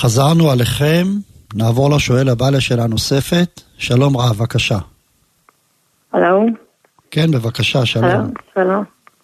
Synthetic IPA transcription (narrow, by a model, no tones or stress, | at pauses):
χazaʁnualeχe̞mnaːvo̞ʁlaʃo̞e̞labaleʃe̞lanose̞fe̞t̪ʃalo̞mʁavakaʃa | halow | ke̞nbe̞vakaʃaʃalomʃalom